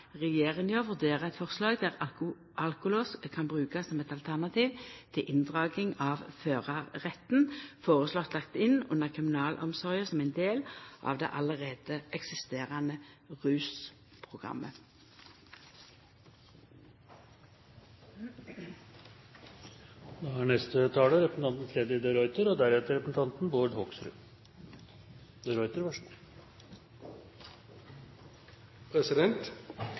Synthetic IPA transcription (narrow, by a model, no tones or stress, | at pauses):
ʁɛjeːʁɪŋjoːʋʉʁd̪eːʁəɛt̪fɔʁslɑːɡd̪æːʁ | ʔɑlkʊlɔskʰɑnbʁʉːkɑssɔmɛt̪ɑlt̪ʰæʁnɑt̪ʰiːʋt̪ʰɪlʔɪnd̪ʁɑːɡɪŋɑːʋføːʁɑʁɛt̪n̩foːʁəslɔt̪lɑkt̪ɪnʉ̰nəʁkʰʁɪmɪnɑːlʔɔ̰msɔʁjəsɔmæɪnd̪eːlʔɑ̰ʋd̪ɛ̰ʔɑləʁeːd̪̥əʔɛksɪst̪eːʁɑnə | ʁʉːs | pʰʁʊɡʁɑ̰mːə | d̪ɑæɳɛst̪ət̪ʰɑːləɾɛpəsn̩ʰɑnt̪n̩t̪ʰɾɛd̪jəd̪ɛɾɔʏt̪əɾɔd̪æɾɛt̪əɾɛpəsn̩t̪ʰɑnt̪n̩boːɖ̪hɔksɾʉ̰ː | d̪əɾɔʏt̪əɾʋɑʂ | pʰɾɛsɪd̪ɛnt̪